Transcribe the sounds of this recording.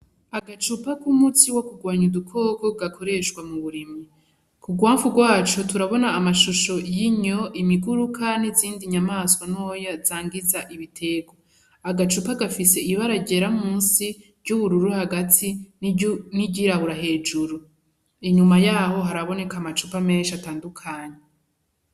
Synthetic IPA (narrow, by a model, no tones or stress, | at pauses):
aɡat͡ʃupakumut͡siwokuɡwaːɲudukʰo̞ːkoɡakʰo̞ɾe̞ʃɡwamuβuɾimi | kuɡwaːɱvuɡwaːt͡ʃotuɾaβo̞naːmaʃuʃo̞jiɲo̞ʔimiɡuɾukʰaniziːndiɲamaːskwanojaz̥aːŋɡizaʔiβitʰe̞ɡwo | aɡat͡ʃupaɡafise̞iβaɾaɟe̞ɾamuːnsivɟuβuɾuɾuhaɡatʰi | niɟiɾahuɾaɦe̞ːd͡ʒuɾu | iɲumajaːho̞ɦaɾaβo̞ne̞kamat͡ʃupame̞ːnʃataːndukʰaːɲe